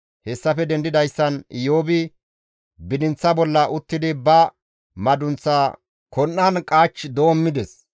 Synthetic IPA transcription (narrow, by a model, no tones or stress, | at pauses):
hɛsːɐfɛd̪ɛnd̪ɪd̪ɐjsːɐnjoːbɪ | bɪd̪ɪnt͡sːɐbɔlːɐʔʊt̪ːɪd̪ɪbɐ | mɐd̪ʊnt͡sːaː | kɔnːɐnkʼaːt͡ʃːd̪oːmːɪd̪ɛs